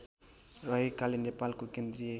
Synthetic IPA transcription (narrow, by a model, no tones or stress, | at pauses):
rʌɦikalenepalkokend̪rije